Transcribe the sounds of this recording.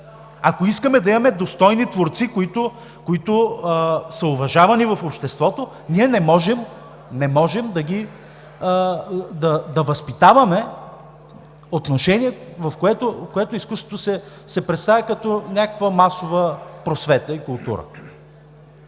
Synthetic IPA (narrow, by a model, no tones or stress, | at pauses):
akoiskəmɛd̪ɐimɐmɛd̪ost̪ɔjnit̪voɾt̪sikoit̪o | koit̪ʊ | səʊvɐʒavɐnivɐfopʃt̪ɛst̪vɔt̪o | niɛnɛmɔʒɛm | nɛmɔʒɛmd̪ɐɡi | d̪ɐd̪ɐvɐspit̪avɐmɛ | ot̪noʃɛniɛvɐfkoɛt̪ofkoɛt̪oiskust̪vo̥t̪osɛ | sɛpɾɛt̪st̪avʲɛkɐt̪onʲakəkvəmasovəpɾosvɛt̪əikʊlˠt̪ṵɾə̰